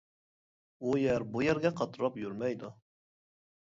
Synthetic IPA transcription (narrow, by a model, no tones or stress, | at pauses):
ujæɾbujɛɾɡʲɛqʰɑt̪ɾɑpjyɾmɛjd̪u